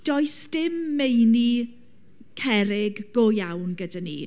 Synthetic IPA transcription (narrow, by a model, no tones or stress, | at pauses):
d̥ɔjsd̥ɪmːejni | kʰɛɾɪɡːojawnɡədanḭː